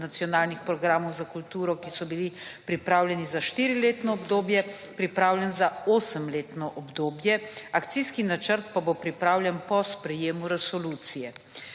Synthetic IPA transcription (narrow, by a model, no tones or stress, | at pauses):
nat̪sijɔnaːlnixpɾɔɡɾaːmɔwzakult̪uːɾɔkisɔbilipɾipɾaːwlʲjɛnizaʃt̪iːɾileːt̪nɔːbd̪oːbjɛ | pɾipɾaːwlʲjɛnzaoːsəmleːt̪nɔʔɔbd̪oːbjɛakt̪siskinat͡ʃəɾt̪pabopɾipɾaːwljɛnpɔspɾɛjeːmuɾɛsɔluːt̪sijɛ